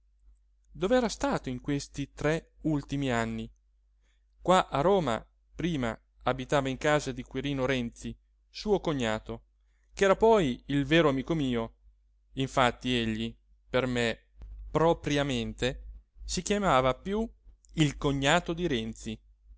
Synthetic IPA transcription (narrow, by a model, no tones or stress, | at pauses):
d̪oveɛːɾast̪aːt̪oiŋkwest̪it̪ɾɛult̪imianːi | kwaʔaroːma̰ | pɾiːma̰ | abit̪aːvaiŋkaːzad̪ikwiɾiːnoɾɛnt̪si | suːokoɲːaːt̪o | kɛːɾapɔjilveːɾoamiːkomiːo | iɱfat̪ːieʎːi | perme | pɾopɾjament̪esikjamaːvapju | ilkoɲːaːt̪od̪iɾɛnt̪si